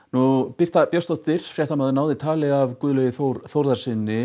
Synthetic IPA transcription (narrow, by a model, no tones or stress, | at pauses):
nupir̥t̪apjœst̪ɔht̪ɪɾ̥fɾjɛht̪amaðʏnaːwðɪt̪ʰaːlɪɣavkʏːðlœɣɪθoɾθowɾðaɾsɪnːɪ